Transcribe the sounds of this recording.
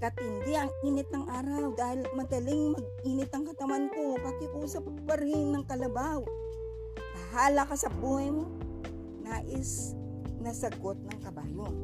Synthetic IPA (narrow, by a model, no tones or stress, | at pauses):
kɐt̪ɪnd̪ɪɐŋʔiːnɪt̪̚nɐŋʔaːɾɐwd̪aːhɪlmɐd̪ɐlɪŋmɐɡ̚iːnɪt̪̚ɐŋkɐt̪ɐwankopɐkɪkusɐpɐɡ̚pɐɾinːɐŋkɐlɐbaw | bɐhaːlɐkasɐbuːhɐjmo | naːʔɪs | nɐsɐɡot̪̚nɐŋkɐbaːloŋ